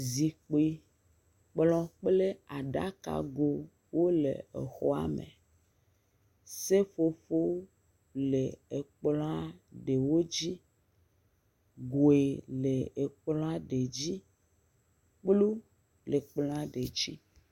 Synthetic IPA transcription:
zi˨k͡pi˦ | k͡plɔ̃˦k͡ple˦a˨ɖa̰˦ka̰˨ɡo˨ | wo˦lḛ˨e˨xɔ̰˦a̰˦mḛ˨ | se˦fo˨fo˦w | le˨e˨k͡plɔ̃˦a˦ɖe˨wo˦d͡ʑi˦ | ɡo˨e˨le˨e˨k͡plɔ̃˦a˦ɖe˨d͡ʑi˦ | k͡plu˦ | le˨k͡plɔ̃˦a˦ɖe˨d͡ʑi˦

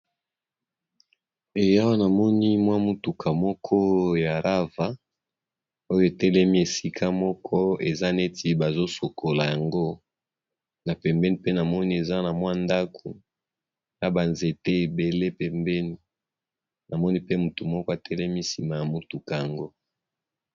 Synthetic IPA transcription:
e˨ja˦wa˦na˨mɔ˦ni˦mwa˦mu˨tu˨kʰa˨mɔ˦kʰɔ˦ja˨ʁa˦va˨ | o˦jo˦e˨tɛ˦lɛ˦mi˦e˨si˦kʰa˦mɔ˦kʰɔ˦e˨za˦ne˦ti˦ba˨zo˦so˨ko˨la˨ja˨ŋɡo˦ | na˨pɛ˨mbɛ˦ni˦pe˦na˨mɔ˦ni˦e˨za˦na˨mwa˦nda˦kʰo˨ | na˨ba˨nze˨te˦e˨be˨le˦pɛ˨mbɛ˦ni˨ | na˨mɔ˦ni˦pe˦mu˨tu˨mɔ˦kɔ˦a˨tʰɛ˦lɛ˦mi˦si˨ma˨ja˨mu˨tu˨ka˨ja˨ŋɡo˦

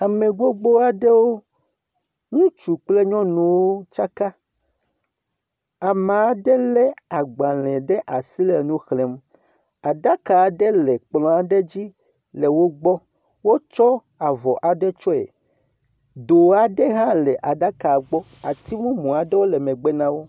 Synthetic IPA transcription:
a˨mẽ˨ɡ͡bo˦ɡ͡bo˦a˨ɖe˦wo˦ | ŋũ˦t͡ʃu˨k͡ple˦ɲɔ̃˦nũ˨wo˦t͡ʃa˦ka˦ | a˨mã˨a˦ɖɛ˦lɛ˦a˨ɡ͡ba˨lɛ̃˨ɖɛ˦ʔa˨si˦lɛ˨nũ˦xle˨m | a˨ɖa˦ka˨ɖɛ˦lɛ˨k͡plɔ̃˨a˨ɖe˦d͡ʑi˦ | le˨wo˦ɡ͡bɔ˦ | wo˦t͡ʃɔ˦ | a˨vɔ˨ʔa˨ɖɛ˦t͡ʃɔ˦ɛ̰˨ | d̪o˨a˨ɖe˦ɦã˦lɛ˨ʔa˨ɖa˦ka˨ɡ͡bɔ˦ | a˨t̪i˦mũ˦mũ˨a˨ɖe˦wo˦lɛ˨mẽ˨ɡ͡be˦nã˦wo˦

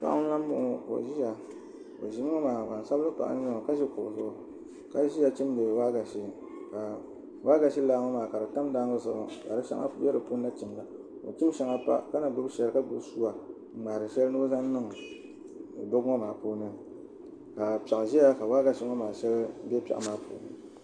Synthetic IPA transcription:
ka̰˨ʔʊ˦la˦m˦bʊ˦ŋ˨ko̰˨ʒi˦ja˨ | ko̰˨ʒi˦m˦ŋɔ˦maː˨ka˨n˨sa˦blɨ˦pa̰˨ʔa̰˦nɨ˦ŋ˨ka˦ʒi˦kʊ˨zʊ˦ʊ˦ | ka˦ʒi˦ja˨t͡ʃi˦mde˨waː˦ɡa˨ʃi˦ | ka˨ | waː˦ɡa˨ʃi˦laː˦ŋɔ˦maː˨ka˨ɾɨ˨ta˦mda˦ŋɨ˦sɨ˨ba̰˨ka̰˨dɨ˦ʃa̰˦a̰˦bɛ˦ɾɨ˨po˦n˦na˦t͡ʃi˨mla˨ | o̰˨t͡ʃi˦m˦ʃa˦ŋa˦pa̰˦ka˦na˨ɡʊ˦bʃɛ˨lɨ˦ka˦du˨bsu˦a˨ | ŋ͡maː˨ɾɨ˨ʃɛ˦lnɨ˦za˦n˦nɨ˦ŋ˨ | dʊ˦ɡŋɔ˦maː˨poː˦nɨ˦ | ka˨pa˨ʔʒi˦ja˦ka˨waː˦ɡa˨ʃi˦ŋɔ˦maː˨ʃɛ˦lbɛ˦pʲa̰˨ʔmaː˨pʰo̰ː˨˦nɨ̰˦

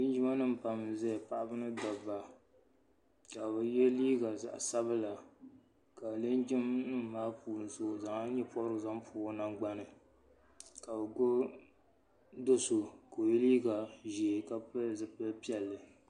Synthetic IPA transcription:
i˦n˦d͡ʒi˦ma˦nɨ˦m˨pa˨mzɛ˦˨pa˦˨ʔa˦bɨ˦nɨ˦dɔ˨ba˨ | ka˨bɨ˨jɛ˦liː˦ɡa˨za̰˨ʔsa˦bɨ˦la˨ | ka˨ble˦nd͡ʒɪ˦mnɨ˦˨maː˦puː˨nɨ˨so˦˨za˨ŋa˦ɲɛ˦pɔ˦bɾɨ˦ɡɨ˨za˦mpʰu˨o˦na˨ŋɡ͡ba˦nɨ˨ | ka˨bɨ˨ɡo˦ | do˦so˨ko˨jɛ˦liː˦ɡa˨ʒɛ˨ka˦pɨ˦zɨ˨pɨ˦pi˦ɛ˨lːɨ˨

